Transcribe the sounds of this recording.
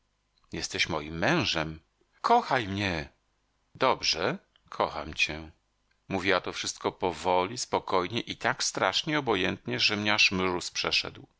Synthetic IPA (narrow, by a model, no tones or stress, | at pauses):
jɛst̪ɛɕmɔjimːɛ̃w̃ʐɛm | kʰɔxajmɲɛ | d̪ɔbʐɛ | kʰɔxa̰mt͡ɕɛ | muvʲiwat̪ɔfʂɘst̪kɔpɔvɔlʲispɔkɔjɲɛʔit̪akst̪ɾaʂɲɛɔbɔjɛnt̪ɲɛʐɛmɲɛaʂmɾuspʂɛʂɛ̰d̪w